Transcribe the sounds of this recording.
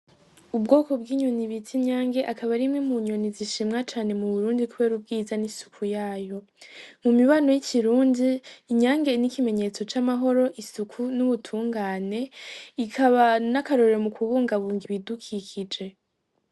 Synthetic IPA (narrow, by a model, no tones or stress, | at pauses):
ub̚ɡo̞ːko̞bɡiːɲoniβitʰiɲaːŋɡe̞ʔakaβaɾimŋemuɲoniziʃimŋat͡ʃaːne̞muβuɾuːndikuβe̞ːɾub̚ɡiːzanisu̥kʰujaːjo̞ | mumiβano̞jiciɾuːndiːɲaːŋɡe̞nikime̞ɲe̞t͡so̞t͡ʃamaɦo̞ɾo̞ʔisukʰunuβutʰuːŋɡaːne̞ikʰaβanakaɾo̞ɾɾemukʰuβuːŋɡaβuːŋɡiβidukʰikʰid͡ʒe̞